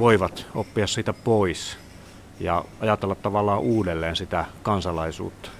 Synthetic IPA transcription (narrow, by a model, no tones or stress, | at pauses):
ʋoiʋɑt̪opːiɑssiːt̪æpois | jɑ̰ɑjɑt̪elːɑt̪t̪ɑʋɑlːˑɑːʔuːdelːeːnsit̪ækɑnsɑlɑisṵːt̪ːɑ̥